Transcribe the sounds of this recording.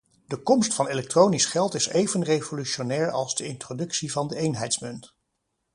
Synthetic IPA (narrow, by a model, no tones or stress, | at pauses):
d̥əkɔmstfɑnelɛk̚trownisχɛlˠtɪsejvənrejvolyʃonɛːɹɑlˠzdəɪntrodɵksivɑndəejnɦɛjtsmʏnt